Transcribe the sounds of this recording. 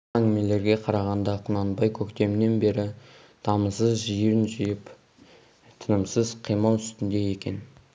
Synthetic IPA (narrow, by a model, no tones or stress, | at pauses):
æŋɡʲɪme̞le̞ɾɡʲe̞qʰɑɾɑʁɑnd̪ɑqʰʊnɑnbɑjkʲʰɵkt̪e̞mɪne̞nbe̞ɾɪ | d̪̥ɑməsəzʒijɾɪnʒijɪp | t̪ʰənəmsəzqʰijmɑlˠʏ̥st̪ɪnd̪e̞je̞kʲe̞n